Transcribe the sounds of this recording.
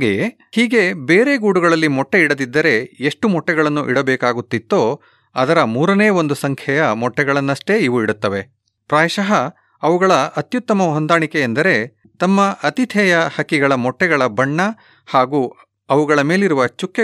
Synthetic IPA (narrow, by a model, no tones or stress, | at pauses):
aɡej | hiːɡe̞beːɾe̞ːɡuːɽuɡɐɭɐlːimɔʈːeiɽɐd̪id̪ːɐɾe̞eʂʈumɔʈːɛɡɐɭɐnːuʔiɽɐbeːkaːɡut̪ːit̪ːoː | ɐd̪ɐɾɐmuːɾɐneːɐo̞nd̪usɐŋkʰjɛjɐmɔʈːɛɡɐɭɐnːɐʂʈe̞iʋuiɽut̪ːɐʋe̞ | pɾaːjʃɐɦɐː | ʋuɡɐɭɐɐt̪jut̪ːɐmɐɦond̪aːɳikeːnd̪ɐɾe̞ | t̪ɐmːɐʔɐt̪it̪ʰɛjɐhɐkːiɡɐɭɐmɔʈːɛɡɐɭɐbɐɳːɐ | haːɡuː | ɐʋuɡɐɭɐme̞ːliɾuʋɐt͡ʃukːe